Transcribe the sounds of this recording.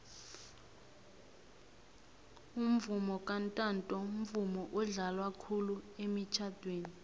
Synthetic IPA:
um̩vumɔkʼantʼantʼɔm̩vumɔʔɔɮalwakʰuluemit͡ʃʰad̥ʱweːni

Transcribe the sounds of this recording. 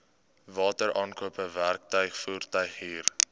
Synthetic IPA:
vɑːtəɾʔɑːnkuəpəværk̚tœɥχfuːrtœɥχɦiːr

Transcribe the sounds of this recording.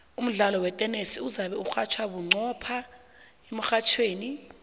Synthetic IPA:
um̩ɮalɔwɛtʼɛnesiuzaɓɛuxat͡ʃʰwaɓuŋ͡ǀʱɔpʰa | em̩xat͡ʃʰweːni

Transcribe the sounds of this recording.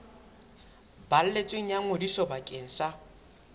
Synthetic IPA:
bal̩let͡sʼweŋ̩jaŋ̩odisɔbakʼeŋ̩sa

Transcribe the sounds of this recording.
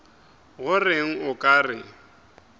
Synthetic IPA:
ɣʊrɪŋ̩ʊkʼaːrɪŋ̩

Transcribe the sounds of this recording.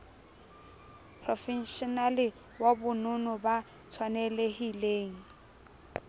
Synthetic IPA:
pʰrɔfinʃɔnalɪ | wabʊnʊnʊba | t͡sʰwanelehileːŋ̩

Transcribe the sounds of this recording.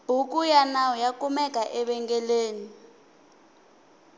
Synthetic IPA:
b̥ʱukʼujanawɔjakumɛk̬ʼaʔɛɓɛŋɡɛleːni

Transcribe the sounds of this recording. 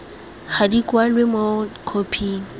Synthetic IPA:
χadikwalwemokʰopʰiːŋ̩

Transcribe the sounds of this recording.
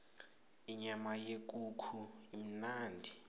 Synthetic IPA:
iɲamajek̬ʼukʰuim̩naːndʱi

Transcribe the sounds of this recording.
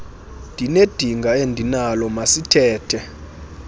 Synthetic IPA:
nd̥ʱined̥ʱiŋɡʱaendʱinalɔmasitʰɛːtʰɛ

